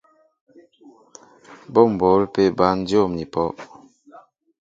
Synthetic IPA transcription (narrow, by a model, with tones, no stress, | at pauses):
bɔ˦˨m̩˨bo˨˦lpe˦˨ba˦n̩˦djo˦˨mni˨pɔ˦ʔ